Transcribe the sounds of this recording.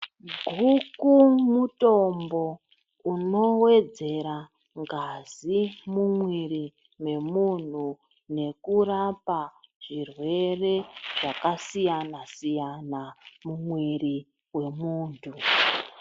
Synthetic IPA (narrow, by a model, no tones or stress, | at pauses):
ɡʱukumuto̞mbo̞ | uno̞we̞d͡ze̞ɾa | ŋɡazimumwiri | me̞mun̤u | ne̞kurapaʐ̥irwe̞re̞ʐ̥akasijanasijanamumwiri | we̞muːntʰu